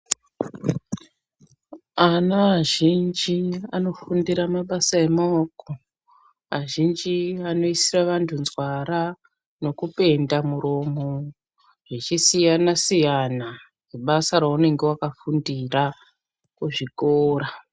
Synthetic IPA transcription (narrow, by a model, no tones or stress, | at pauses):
anaaʒind͡ʒiano̞fundiɾamaɓasaemoko | a̰ʒind͡ʒiano̞isiraʋantʰunzwara | no̞kupe̞ndamuɾomo | ʐit͡ʃisijanasijana | ʐeɓasaɾaune̞ŋɡe̞wakafundira | kuʐikoːɾa